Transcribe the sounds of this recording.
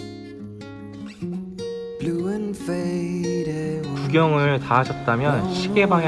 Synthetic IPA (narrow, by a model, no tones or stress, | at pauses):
bluɯnfeɾkuɡjʌŋɯɭtaad͡ʑʰʌt̚t͈amjʌnɕʰiɡe̞baŋ